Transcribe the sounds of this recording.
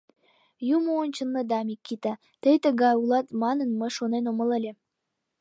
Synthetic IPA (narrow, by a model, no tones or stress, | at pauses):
juməonʲt͡ɕənːəd̪ɑmikːit̪ɑ | t̪əjt̪əɡɑjulˠɑt̪mɑnə̆nmə̆ʃonenomə̆lelʲĕ